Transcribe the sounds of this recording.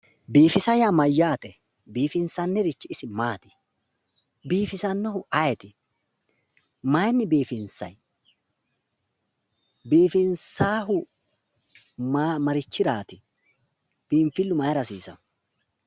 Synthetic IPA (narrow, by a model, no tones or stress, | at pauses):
biːfɪsɐjaːmɐjːaːt̪ɛ | biːfɪnsɐnːɛɾɪt͡ʃːɪɪsɪmaːt̪ɪ̥ | biːfɪsɐnːɔhʊʔɐjɛt̪ɪ | mɐjnːɪbiːfɪnsɐ̰j | biːfɪnsaːɦʊ | mɐɾɪt͡ʃːɪɾaːt̪ɪ | b̥iːɱfɪlːʊmɐjɾɐsiːsɐ̰n